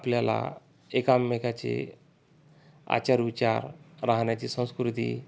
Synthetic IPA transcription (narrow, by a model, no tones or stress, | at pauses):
apljala̰ | ekamːekat͡ɕḛ | a̰t͡ɕaɾʋit͡ɕaɾɾaɦnjat͡ɕisə̃skɾit̪ḭ